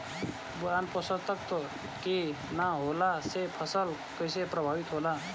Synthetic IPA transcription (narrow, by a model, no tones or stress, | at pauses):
buanpɔsət̪ək̚t̪o | ki | naɦolasepʰəsəl | kəjsepɾəbʱaːbit̪ɦola